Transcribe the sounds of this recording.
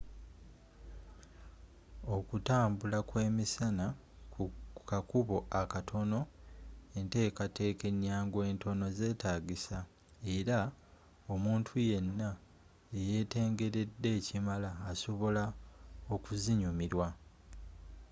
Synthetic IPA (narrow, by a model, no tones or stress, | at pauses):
o̞kutaːmbulakwe̞ːmisana | kukakuβo̞ʔakatʰo̞no̞ | e̞nte̞ːkatʰe̞ːke̞ɲːaːŋɡwe̞ːntʰo̞no̞ze̞ːtaːɡisa | e̞ɾa | o̞muːntʰuje̞nːa | ejeːte̞ːŋɡe̞ɾe̞dːe̞ːcimalaːso̞βo̞laokuziɲumiɾwa